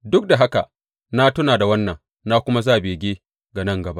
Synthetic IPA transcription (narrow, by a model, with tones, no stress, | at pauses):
dʊ˦k̚da˨ɦa˦ka˨ʔ | na˦tʊ˦naː˨da˨wɐ˦nːɐ˨ŋ | naː˦kʷʊ˦ma˦zaː˦˨beː˨ɡʲeː˦ | ɡa˨nɐ˦ŋɡɐ˨ba˦ʔ